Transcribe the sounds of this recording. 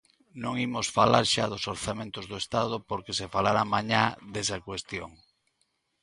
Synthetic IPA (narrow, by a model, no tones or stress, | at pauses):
nõŋimosfalaɾʃaðosoɾθamẽnt̪ozðoest̪að̞ʊpoɾkesefalaɾamaɲaðesakwest̪joŋ